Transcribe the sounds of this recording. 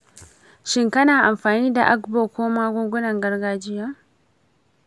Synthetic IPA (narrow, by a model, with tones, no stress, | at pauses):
ʃɪ˦ŋkɐ˦naː˨ʔa˨mɸaː˨niː˦da̰˨ʔa˦kboː˨koː˦maː˦ɡʷo˦ŋɡʷʊ˦nɐ˨ŋɡɐ˦ɾɡaː˦d͡ʒɪ˦jaː˦